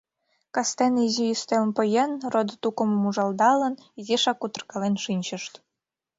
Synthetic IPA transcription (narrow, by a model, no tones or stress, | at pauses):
kɑst̪enizijyst̪elnpə̆jenrod̪t̪ukə̆mmuʒɑld̪ɑlə̆niziʃɑkut̪ɤ̆rkɑlenʃinʲt͡ɕə̆ʃt̪